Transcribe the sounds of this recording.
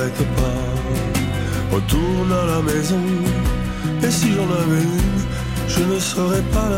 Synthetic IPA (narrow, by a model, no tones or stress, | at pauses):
ɛt̪əpa | ʁə̰t̪uʁnalamɛzɔ̃ | esiʒɔ̃navɛyn | ʒənəsəʁɛpala